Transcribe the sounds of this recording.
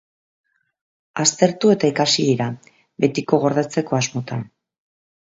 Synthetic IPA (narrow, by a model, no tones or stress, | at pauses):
ast̪e̞ɾt̪ue̞t̪aikasiðiɾa | be̞t̪iko̞ɣo̞ɾðet͡se̞ko̞azmo̞t̪an